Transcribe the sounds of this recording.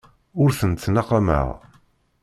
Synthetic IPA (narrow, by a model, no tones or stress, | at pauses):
ʊɾθənt̪ːnaqamə̰ʁ